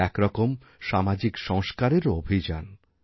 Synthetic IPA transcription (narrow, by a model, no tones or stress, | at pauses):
ɛkɾɔkom | ʃamad͡ʑikʃɔŋskaɾeɾobʱid͡ʑan